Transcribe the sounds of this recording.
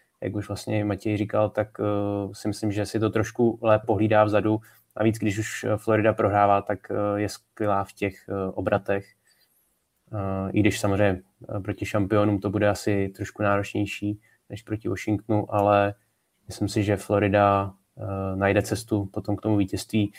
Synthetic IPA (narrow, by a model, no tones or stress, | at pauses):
ja̰kuʒvlast̪ɲɛmacɛjɪrikalt̪aksɪmɪslɪmʒɛsɪt̪o̞t̪ɾoʃkulɛːp̚po̞ɦliːdaːvzadu | na̰viːt͡sɡdɪʃ̬uʃflo̞ɾɪdapɾo̞ɦɾaːvaːt̪akjɛskvɪlaːfcɛxʔo̞bɾat̪ɛx | ʔɪ̰ɡdɪʃsamozrɛɲɛ | pɾo̞cɪʃampɪo̞nuːmt̪o̞budɛasɪt̪ɾo̞ʃkunaːɾo̞t͡ʃɲɛjʃiː | nɛʃpɾo̞cɪvoʃɪŋkt̪nuʔalɛ | mɪslɪmsɪʒɛflo̞ɾɪda | najdɛt͡sɛst̪upo̞t̪o̞mkt̪o̞muviːcɛst̪viː